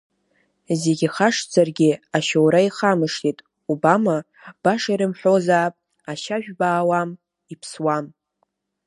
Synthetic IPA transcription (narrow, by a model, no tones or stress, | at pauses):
zeɡʲiχaʂd͡zarɡʲɪaʃowɾaiχamɨʂtʰitʼ | ubama | b̥aʂaiɾɨmħʷᶣo̞zaːpʼ | aʃaʒᶣbaːwam | ipʰswam